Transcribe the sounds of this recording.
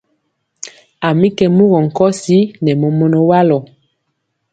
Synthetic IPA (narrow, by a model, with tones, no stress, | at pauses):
a˨mi˦kɛ˨mu˦ɣɔ˨ŋ̩˨kɔ˦si˦nɛ˨mɔ˨mɔ˦nɔ˨wa˦lɔ˨